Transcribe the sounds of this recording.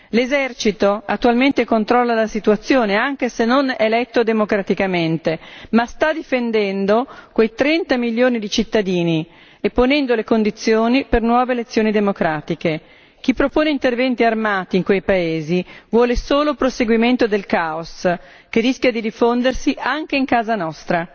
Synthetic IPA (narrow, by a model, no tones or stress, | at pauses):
lezɛrt͡ʃit̪oat̪ːualment̪ekont̪ɾɔlːalasit̪uat̪sːjoːneaŋkesenːonelɛt̪ːod̪emokɾat̪ikament̪emast̪ad̪ifend̪ɛnd̪okwejt̪ɾɛnt̪amiljoːnid̪it͡ʃit̪ːad̪iːni | epːonɛnd̪olekond̪it̪sːjoːnipernwɔːveːlet̪sːjoːnid̪emokɾaːt̪ike | k̟ipːɾopoːneint̪ervɛnt̪iarmaːt̪iːŋkwejpaeːzivwɔːlesoːlopɾoseɡwiment̪od̪elkaos | keriskʲjad̪id̪ifond̪ersiʔaŋk̟eiŋkaːzanɔst̪ɾa